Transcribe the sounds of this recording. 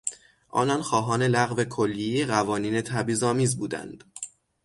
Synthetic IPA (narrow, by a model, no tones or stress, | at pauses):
ʔɒ̰ːnɒnxɒːɦɒːne̞læɣve̞kʰolːieeɣævɒːniːne̞t̪ʰæbiːzɒːmiːzbuːd̪æ̰nd̪̥